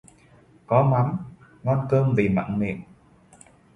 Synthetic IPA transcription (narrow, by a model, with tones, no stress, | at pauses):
kɔ˨˦ma˨˦m | ŋɔ˧nkəː˧mvi˨˩ma̰ː˧˨ŋnḭ˧˨ən